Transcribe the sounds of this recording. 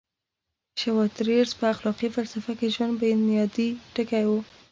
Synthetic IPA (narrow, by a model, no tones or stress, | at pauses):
ʃawɔt̪ɾeɾzpəaxlɑqifalsafakeʒwand̪̚banijɑd̪iʈəkajwu